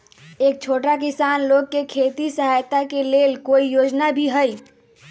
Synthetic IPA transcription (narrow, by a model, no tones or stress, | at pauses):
ek̚t͡ʃʰoʈak̬isanlokːekʰet̪isəɦajt̪akelelkoijod͡ʒnabʱiɦəj